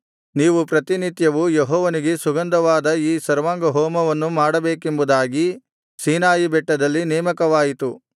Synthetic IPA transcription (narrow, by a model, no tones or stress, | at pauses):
niːʋupɾɐt̪init̪jɐʋujeɦɔːʋɐniɡe̞suɡɐnd̪ɐʋaːd̪ɐiːsɐɾʋaːŋɡɐɦɔːmɐʋɐnːumaːɽɐbeːkembud̪aːɡi | siːnaːjibɛʈːɐd̪ɐlːinɛːmɐkɐʋaːjit̪u